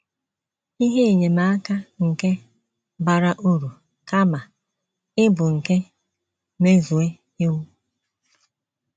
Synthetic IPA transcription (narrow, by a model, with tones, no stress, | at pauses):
i˦ɦe˦e˨ɲe˨ma˦a˦ka˦ŋ̩˨ke˦ | ba˨ɾa˦ʔu˦ɾu˨ | ka˦ma˨ | ɪ˦bʊ˨ŋ̩˨ke˦ | me˦zu˨e˦ | ɪ˦wu˦